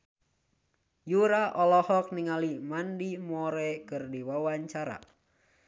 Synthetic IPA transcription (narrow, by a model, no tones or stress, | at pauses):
juɾaʔɔlɔhɔk̚niŋalimandimɔɾɛkɨrdiwawaɲt͡ʃaɾa̰